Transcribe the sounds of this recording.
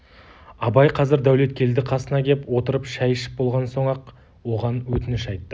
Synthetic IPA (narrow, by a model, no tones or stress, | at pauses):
ɑbɑjqʰɑzɪɾd̪æwle̞t̪̚kʲʰe̞ld̪ɪqʰɑsənɑkʲʰe̞pwo̞t̪əɾəpʃæjʃɪ̥p̚bo̞lˠʁɑnso̞ɴɑq | wo̞ʁɑnwɵt̪ɪnɪʃɑjt̪ːə